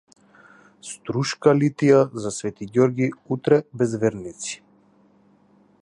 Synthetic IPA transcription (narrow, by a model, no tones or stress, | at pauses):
st̪ɾuʃkalit̪ijazasvɛt̪iɡʲɔɾɡiut̪ɾɛbɛzvɛɾnit̪si̥